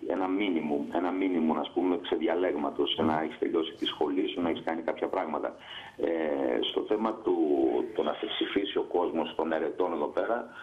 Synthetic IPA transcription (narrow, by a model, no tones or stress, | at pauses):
e̞̰nɐminimume̞nɐminimunɐspume̞kse̞ðʝɐle̞ɣmɐt̪o̞snɐeçi̥st̪e̞̰ʎo̞si̥t̪isxo̞lisunɐeçiskɐnikɐpçɐpɾɐɣmɐt̪ɐ̰ | est̪o̞̰θe̞mɐt̪ut̪onɐθepsifisio̞ko̞zmo̞st̪o̞ne̞ɾe̞t̪o̞ne̞ðo̞pe̞ɾɐ